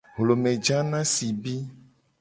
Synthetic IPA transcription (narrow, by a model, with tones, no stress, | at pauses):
ɦlo˨mẽ˨d͡ʒa˦nã˦si˨bi˦